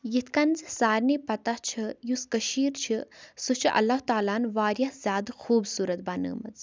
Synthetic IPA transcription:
jit̪ʰkɐnzsaːɾnipɐt̪at͡ʃʰɐjuskɐʃiːɾt͡ʃʰisut͡ʃʰɨʔɐ̰lːaɦt̪aːlaːnʋaːɾjahzʲjaːd̪xuːbsuːɾɐt̪̚baːnə̰ːmɐ̰z

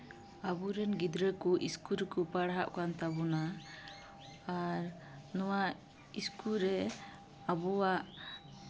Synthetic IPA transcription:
abuɾɛnɡid̪ɾəkɔʔiskuɾkɔpaɽɦaʔkant̪abɔna | aɾ | nɔwa | iskuɾɛ | abɔwaʔ

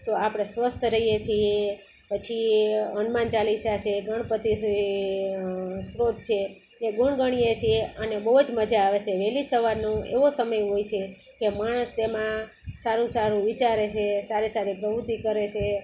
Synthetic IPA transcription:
t̪oapɽ̃esʋəst̪ʰɾəɦijet͡ʃʰie | pət͡ʃʰiənmant͡ʃaliʃat͡ʃʰeɡʱəɳ̃pət̪i | sɾot̪̚t͡ʃʰeː | ɡuɳɡəɽ̃ijet͡ʃʰieənebəɦud͡ʒməd͡ʒaːʋet͡ʃʰeʋɛlisəʋaɾnũḛʋosəməjɦojt͡ʃʰe | kemaɽ̃əst̪emã | saɾũsaɾũʋit͡ʃaɾet͡ʃʰesaɾesaɾipɾəɦut̪ikəɾet͡ʃʰe

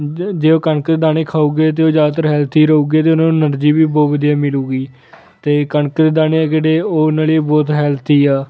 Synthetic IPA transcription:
d͡ʒeːoːkəɳəkd̪eːd̪aːneːkʰaːuːɡeːt̪̬eːoːd͡ʒaːd̪t̪əɾɦɛːlt̪ʰiːɾəuːɡeːt̪̬eːʊnãːnəɾd͡ʒiːbiːbɔːtʋəd̪ijaːmɪluːɡiː | t̪eːkəɳəkd̪eːd̪aːneːɛːkeɽeːoːnaːlibɔːt̪ɦɛːlt̪ʰiːaː

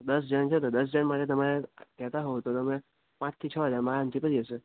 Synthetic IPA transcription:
d̪əsd͡ʒant͡ʃʰet̪od̪əs̬d͡ʒəɳmaʈet̪əmaɾekɛt̪aɦot̪ot̪əmẽ | pãt͡ʃʰt̪ʰit͡ʃʰəɦəd͡ʒaɾmaaə̃nt̪ipəɾiəsə

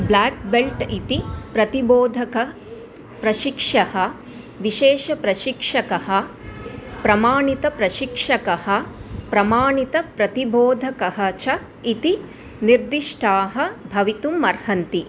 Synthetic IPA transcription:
blaːk̚belʈit̪ipɾɐt̪iboːd̪ʱɐkɐ | pɾɐʃikʂɐhɐ̆ | ʋiʃeːʃɐpɾɐʃikʂɐkɐhɐ̆ | pɾɐmaːɳit̪ɐpɾɐʃikʂɐkɐhɐ̆pɾɐmaːɳit̪ɐpɾɐt̪iboːd̪ʱɐkɐɦɐ̆t͡ʃɐ | it̪i | niɾd̪iʂʈʰaːɦɐ̆bʱɐʋit̪umːɐɾhɐnt̪i

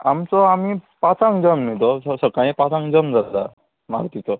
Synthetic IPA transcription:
amt͡sɔamipat͡sãŋd͡zəmmit̪ɔssəkajẽpat͡sãŋd͡zəmd͡zad̪a̰ | ma̰ɾt̪it͡sɔ

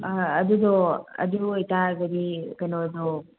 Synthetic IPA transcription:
ɐd̪ud̪ɔɐ̰dujtaɡɐd̪ikɐjnod̪o

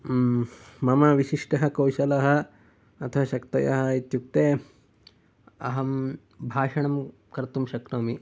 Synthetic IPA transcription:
mɐmɐʋiʃiʂʈɐɦɐ̆kɐwʃɐlɐɦɐ̆ː | t̪ʰɐʋɐʃɐkt̪ɐjɐ̰ɦɐ̆it̪juk̚t̪eː | ɐ̰ɦɐm | bʱaːʂɐɳɐm | kɐɾt̪umʃɐkɾɐmi

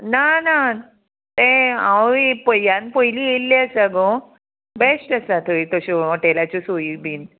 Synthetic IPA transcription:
nana | t̪ẽã̰wipəjːãnpəjlielːeəsaɡɔ | besʈəsat̪ʰoit̪ɔɕɔəʈelat͡ɕɔsoibiːn

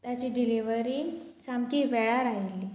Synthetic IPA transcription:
t̪jat͡ɕiːɖiliʋəɾiːt͡ɕamkiːʋɛɭaɾaɦilːi

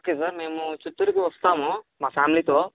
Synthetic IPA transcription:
okeːsaɾmeːmut͡ʃut̪ːuɾikiʋɐst̪aːmomaːpʰaːmilit̪oː

